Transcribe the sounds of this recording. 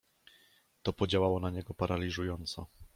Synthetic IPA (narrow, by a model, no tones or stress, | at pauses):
t̪ɔpɔd͡ʑawawɔnaɲɛɡɔpaɾʔalʲiʐujɔnt̪sɔ